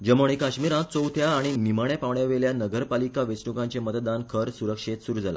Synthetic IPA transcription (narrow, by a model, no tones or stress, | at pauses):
d͡ʑəmoɳ̃ikaɕmiɾãt͡sowt̪ʰjaːɽ̃iniməɳapaʋɳjaʋeljanəɡəɾpalikaʋet͡sɳukãɲt͡ɕemət̪d̪ankʰəɾsuɾəkʂet̪suɾud͡zʱala̰